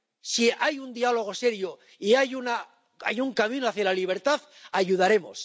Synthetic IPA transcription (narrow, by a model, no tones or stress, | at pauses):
siajund̪ialo̞ɣ̞o̞se̞ɾjo | iajuna | ajuŋkamĩnoaθjalaliβ̞e̞ɾt̪aθaʝuð̞aɾe̞mo̰s